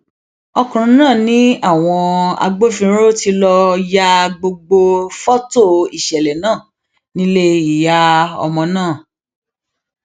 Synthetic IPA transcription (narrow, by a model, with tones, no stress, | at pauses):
ɔ˧kũ˨ɾ̃ũ˨˦nãː˦˨nĩ˦a˦˨w̃ɔ̃˧a̰˧ɡ͡bo˦fĩ˧˦ɾo˦ti˧˦lɔ˧ja˧ɡ͡bo˧ɡ͡bo˧fɔ˦to˦˨i˨ʃɛ˨lɛ˨nãː˦˨ | nĩ˦le˦i˨ja˧ɔ̰˧mɔ̃˧nãː˦˨